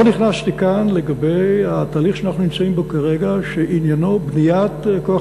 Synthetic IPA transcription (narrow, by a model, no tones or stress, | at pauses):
oniχnastikanle̞ɡabe̞jhat̪aːliχʃeanaχnunimt͡saimbo̞kaʁeɡaʃeʔinjano̞bnijat̪koa